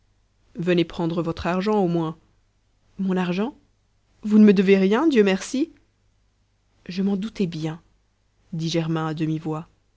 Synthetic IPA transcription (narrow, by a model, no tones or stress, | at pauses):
vənepχɑ̃d̪ʁəvɔt̪χaʁʒɑ̃omwɛ̃ | mɔ̃naʁʒɑ̃ | vunəməd̪əveʁjɛ̃d̪jømɛʁsi | ʒəmɑ̃d̪ut̪ɛbjɛ̃ | d̪iʒɛʁmɛ̃ad̪əmivwa